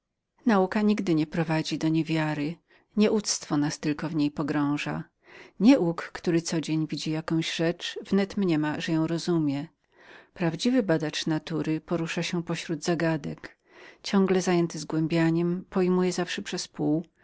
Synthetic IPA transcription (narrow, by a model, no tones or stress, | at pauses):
naukaɲiɡd̪ɘɲɛpɾɔvad͡ʑid̪ɔɲɛvʲjaɾɘ | ɲɛʔut̪st̪fɔnast̪ɘlkɔvɲejpɔɡɾɔ̃w̃ʐa̰ | ɲɛʔukːt̪uɾɘt̪sɔd͡ʑeɲvʲid͡ʑijakɔ̃w̃ʑʐɛt͡ʂv̥nɛt̪mɲɛmaʐɛjɔ̃w̃ɾɔzumʲjɛ | pɾavd͡ʑivɘbad̪at͡ʂnat̪uɾɘpɔɾuʂaɕɛpɔɕɾud̪zaɡad̪ɛk | t͡ɕɔ̃ŋɡlɛzajɛnt̪ɘzɡwɛmbʲjaɲɛmpɔjmujɛzafʂɛpʂɛspuw